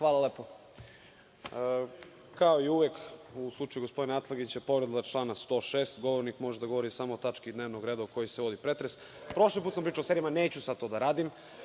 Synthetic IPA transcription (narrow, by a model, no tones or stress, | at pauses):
xʋaːlˠaleːpo | ə | kaoiuʋjekuslˠut͡ʃajuɡo̞spo̞d̪inaat̪lˠaɡit͡ɕepo̞ʋɾed̪lˠat͡ʃlˠaːnast̪o̞ːʃeːst̪ɡo̞ʋoɾnikmo̞ʒed̪aɡo̞ʋo̞ɾisamoːt̪at͡ʃkid̪neːʋnoɡɾed̪aoko̞jiseʋo̞d̪ipɾet̪ɾes | pɾo̞ʃlip̬ut̪sampɾiːt͡ʃaoseɾijamaneːt͡ɕusad̪̚t̪od̪aɾaːd̪im